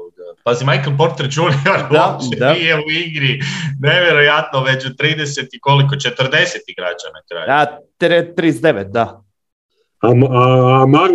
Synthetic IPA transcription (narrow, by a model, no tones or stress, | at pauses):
d̪apazimajkəlp̬o̞ɾt̪eɾd͡ʒunioɾot͡ʃed̪aijeuiɡɾineʋjeɾojat̪noʋet͡ʃut̪ɾiːd̪eset̪ikolik̬ot͡ʃe̞t̪rd̪e̞set̪iɡɾa̰d͡ʒa̰nakɾa̰jat̪ɾet̪ːɾizd̪eʋet̪̚d̪a | amamaɡ